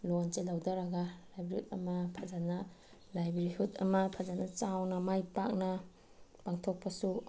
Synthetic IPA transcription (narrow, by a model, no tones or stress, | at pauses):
lont͡ʃelawdaɾɐɡɐlajbɾihutɐmɐpʰazanɐ | lajbɾihutɐ̰mɐpʰazanɐt͡ʃawnɐmajpak̚nɐ | paŋtʰok̚pʰɐsu